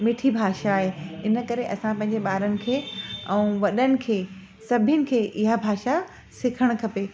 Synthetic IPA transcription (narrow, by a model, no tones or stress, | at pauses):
mɪʈʰibʱaːʃaːɦeɪnə̆kɐɾeʔɐsãpɐ̃ɦɪ̃ɲd͡ʑeɓaːɾənɪ̆kʰeːɛ̃ũʋɐɗənɪ̆kʰeː | sɐbʱənɪ̆kʰeːʔɪɦabʱaːʃa | sɪkʰəɽ̃̆kʰɐpe